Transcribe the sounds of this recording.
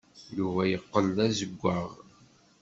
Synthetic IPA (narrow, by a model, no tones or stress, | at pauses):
juvæjəqːəlæzəɡʷːəʁ